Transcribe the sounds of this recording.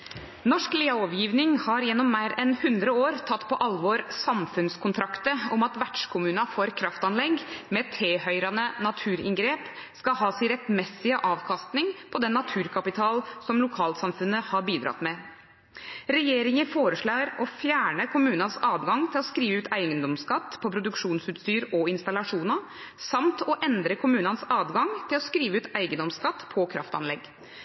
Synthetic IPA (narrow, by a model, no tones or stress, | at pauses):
nɔʂkliːɑɔʋjiːʋnɪŋhɑɾjɛnːɔmːæɪɾɛnhʉnd̪ɾəoːɾt̪ʰɑt̪ːpʰɔʔɑlʋɔːɾsɑmfʉnskʰʊnt̪ʰɾɑkt̪əɔmɑt̪ʋæʈʂkʰʊmʉːnɑfoːɾkʰɾɑft̪ɑnlɛɡmɛt̪ʰːɾeːhœʏɾɑnənɑt̪ʰʉːɾɪ̰ŋɡɾeːp | skɑɦɑːsɪɾɛt̪mɛsɪəʔɑːʋkʰɑst̪nɪŋpʰɔd̪ɛnːɑt̪ʰʉːɾkʰɑpɪt̪ʰɑːlsɔmlʊkʰɑːlsɑmfʉnːəhɑɾbiːd̪ɾɑ̰t̪mɛ | ɾɛjeːɾɪŋəfoːɾəʂɭɑːɾɔfjæːɳəkʰʊmʉːnɑnsɑːʋɡɑŋt̪ʰɪlɔskɾiːʋəʉːt̪æɪɡənd̪ɔmskɑt̪ːpʰɔpʰɾʊd̪ʉkʂuːnsʉːt̪st̪yːɾɔɪnst̪ɑlɑʂuːnɑ | sɑmt̪ɔʔɛnd̪ɾəkʰʊmʉːnɑnsɑːʋɡɑŋt̪ʰɪlɔskɾiːʋəʉːt̪æɪɡənɔmskɑt̪ːpʰɔkʰɾɑ̰ft̪ɑ̰nlɛɡ